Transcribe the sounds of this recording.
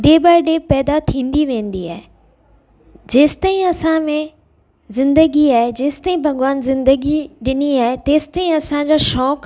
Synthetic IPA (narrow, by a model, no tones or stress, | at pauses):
ɖeːbaːɪɖeːpɛːd̪at̪ʰĩːnd̪iʋẽːn̆d̪iaːɦe | d͡ʑeːsɪ̥t̪aːĩɐsãmẽ | zɪ̃nd̪əɡiaːɦed͡ʑeːsɪ̥t̪aːĩbʱɐɡʊʋaːnzɪ̃nd̪əɡiɗɪniaːɦet̪eːsɪ̥t̪aːĩɐsãɲd͡ʑaːʃɔːk